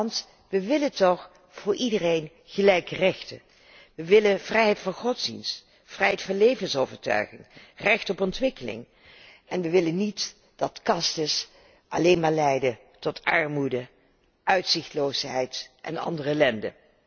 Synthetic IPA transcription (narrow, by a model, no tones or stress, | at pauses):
nt | ʋəʋɪlətɔχ | v̥ʊːɹʔidərejn | χəlɛjkərɛχtə̰ | ʋəʋɪlənv̥rɛjɦɛjtfɑnχɔtsdḭnst | frɛjɦɛjtfɑnlejvənsowvəɹtœ̰ɥχɪŋrɛχtɔpɔntʋɪkəlɪ̰ŋ | ɛnʋəʋɪlənit | d̥ɑtkɑstəs | ʔɑ̰leːnmaːɹlɛjdə | tɔtʰɑɹmudə | ʔœɥtsɪχtlowsɦɛjtʔɛ̰nɑ̰ndərəɛlɛndə̰